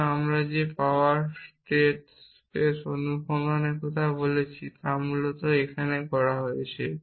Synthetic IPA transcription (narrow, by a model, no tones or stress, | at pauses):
amɾad͡ʑepaoaɾsʈeʈ | pesonukoŋoneɾkɔt̪ʰabolet͡ɕʰit̪amulot̪oekʰanekɔɾaɦoet͡ɕʰe